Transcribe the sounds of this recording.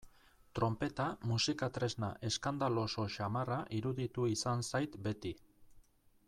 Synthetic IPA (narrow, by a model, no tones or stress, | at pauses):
t̪ɾo̞mpe̞t̪amusikat̪ɾe̞znaʔe̞skand̪alo̞so̞ʃamaraʔiɾuðit̪uisansajt̪be̞t̪i